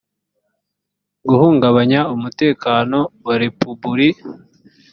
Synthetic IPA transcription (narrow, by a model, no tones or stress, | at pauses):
ɡuhuːŋɡaβaɲaumute̞ːkaːno̞waɾe̞pubuɾi